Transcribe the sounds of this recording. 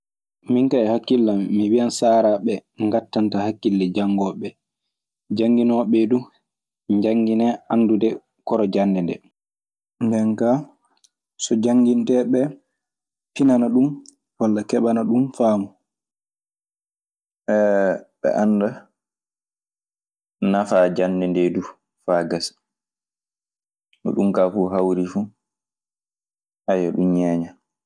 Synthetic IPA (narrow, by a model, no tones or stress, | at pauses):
miŋkaɛhakːilːamiwiansaːɾaɓɛŋɡatːantahakːilːɛd͡ʒaŋːɡɔɓɛ | d͡ʒaŋɡinɔɓɛdu | ɲd͡ʒaŋɡinɛandundɛ | kɔɾɔd͡ʒandɛndɛ | ndɛnka | sɔd͡ʒaŋːɡintɛɓɛ | pinanaɗum | walːakɛɓanaɗumfaːmɔ | ɓɛɓɛ̰ʔanːda | nafad͡ʒandɛndɛdu | faɡas | nɔ̰ɗumkaːfuːɦawɾifu | ʔajaɗumɲɛːɲa